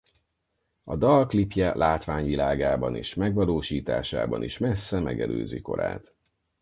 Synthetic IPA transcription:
ɒd̪ɒlklipjɛlʔaːt̪ʋaːɲvilaːɡaːbɒniːʃmɛɡʋɒloːʃiːt̪a̰ːʃa̰ːbɒniʃmɛsːɛmɛɡɛlø̰ːziko̞̰ɾa̰ːt̪

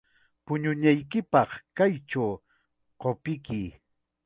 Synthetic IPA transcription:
pʊɲʊɲajkɪpɑχkajʈ͡ʂaw | qopɪkɪ

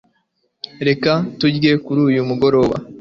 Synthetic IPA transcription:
ɾe̞katuɟɡe̞kuɾuːjumuɡo̞ɾo̞βa̰

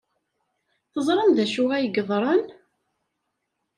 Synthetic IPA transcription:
θəzˤɾˤɑmðæʃuʁæjəɡəðˤɾˤɑn

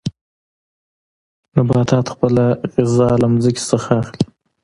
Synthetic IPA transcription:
nabɑt̪ɑːt̪xpəlaɣɪzɑlamzəkʲe̥səxaːxli

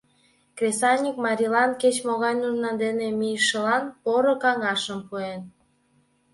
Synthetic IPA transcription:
krʲesɑnʲikmɑɾʲilɑnket͡ɕmoɣɑjnunlɑnd̪enemijʃəlɑnpoɾokɑŋɑʃəmpuen

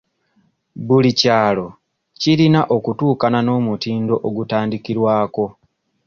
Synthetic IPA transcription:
bulicaːlo̞ | ciɾinaʔo̞kutuːkanano̞ːmutiːndo̞ʔoɡutaːndikiɾwaːko̞

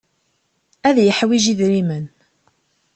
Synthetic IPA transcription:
æðjəħwiʒiðɾimən

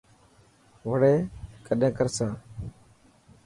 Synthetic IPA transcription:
ʋəɽeːkəɗẽːkəɾsãː

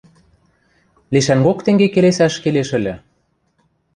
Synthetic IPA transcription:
liʃæŋɡokt̪ĕŋɡekelesæʃkeleʃɘ̆lʲɘ̆

